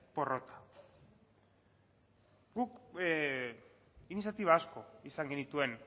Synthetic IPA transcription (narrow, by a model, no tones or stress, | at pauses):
po̞ro̞t̪ḁ | ɡuk | inisjat̪iβaːsko̞isaŋɡenit̪ue̞n